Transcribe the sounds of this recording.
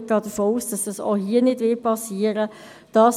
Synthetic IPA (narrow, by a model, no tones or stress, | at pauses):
ɡ̥ɑːdəfoːuːsd̥ɑsd̥ɑsɔ̰hiːənɪdʋɪpʰɑsiːəɾə | d̥ɑːs